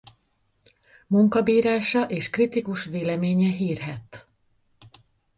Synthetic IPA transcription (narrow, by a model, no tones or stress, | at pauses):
muŋkɒbiːɾaːʃɒʔeːʃkrit̪ikuʃʋeːlɛmeːɲɛɦiːrɦɛt̪